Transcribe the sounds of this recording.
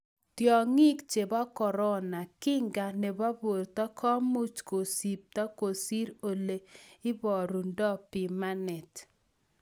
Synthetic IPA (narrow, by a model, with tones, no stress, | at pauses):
tjɔ˨ŋi˦kt͡ʃe˨bɔ˦kɔ˨ɾɔ˦na˨kɪ˦ŋɡa˨ne˨ba˦bo˨rtɔ˦kʰɔ˦mu˦t͡ʃko˨si˨p̚tɔ˦ko˨si˦ɾo˨le˨ɪ˦bɔ˨ɾu˨ndɔ˦pi˨ma˦nɛ˨t